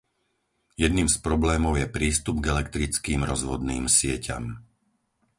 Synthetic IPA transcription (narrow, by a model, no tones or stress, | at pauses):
jɛd̪niːmspɾɔblɛːmɔʊjɛpɾiːst̪ubɡɛlɛkt̪ɾit͡skiːmɾɔzʋɔd̪niːmsɪɛcʰa̰m